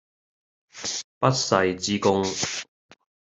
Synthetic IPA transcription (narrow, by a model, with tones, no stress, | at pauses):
pɐ˥t̚sɐ˨jt͡siː˧kʊ˧ŋ